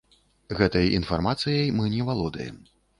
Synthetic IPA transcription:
ɣɛt̪ɐjḭnfarmat̪sɨjɐjmɨnʲɛvalˠɔd̪ɐ̰jɛ̰m

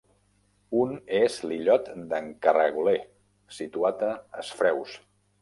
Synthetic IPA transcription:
unezliʎɔt̪d̪əŋkərəɣule | sit̪uat̪əəsfɾɛws

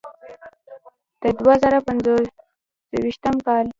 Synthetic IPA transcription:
d̪̥əd̪wazaɾapanzo | əwiʃt̪əmkɑl

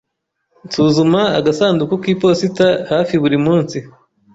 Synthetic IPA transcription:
nsuːzumaa̰ɡasaːndukukiːpo̞sitahaːfiβuɾimuːnsi

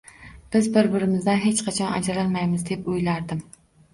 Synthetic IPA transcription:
b̥ɪzbɪɾbɪɾɪmɪzd̪anɦet͡ʃqʰɑt͡ʃʰɒna̰d͡ʒaɾalmajmɪzd̪e̞pʊjlaɾd̪ɪm

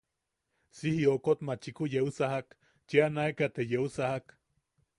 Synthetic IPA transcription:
sihiokot̪mat͡ʃikujeusaɦak | t͡ʃianaekat̪ejeusahak

